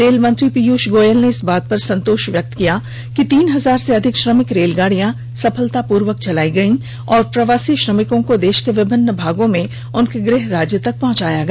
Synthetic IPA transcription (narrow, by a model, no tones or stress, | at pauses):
ɾeːlmɐ̃nt̪ɾipiːjuːʃɡoːjəlneɪsbaːt̪̚pɐɾsɐ̃nt̪oːʃʋjɐk̚t̪kija | kit̪iːnɦɐzaːɾseɐd̪ʱɪkʃɾəmɪkɾeːlɡaːɽijã | sɐpʰəlt̪apuːɾʋək̚t͡ʃɐlaːiɡɐĩ | ɔːɾpɾɐʋaːsiʃɾəmɪkõkod̪eːʃkeʋɪbɪnːəbʱaːɡõmẽ | ʊnkeɡɾɪɦɾaːd͡ʒjət̪ɐk̚pɐ̃ɦʊ̃t͡ʃaːjaɡɐ